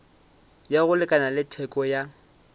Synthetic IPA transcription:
jaɣʊlɪkʼanalɪtʰɛkʼɔja

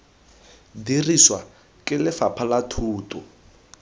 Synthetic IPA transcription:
diriswa | kʼɪlɪfapʰalatʰuːtʼɔ

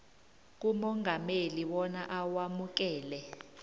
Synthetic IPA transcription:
k̬umɔŋʱameliwɔnaʔawamuk̬ɛːlɛ

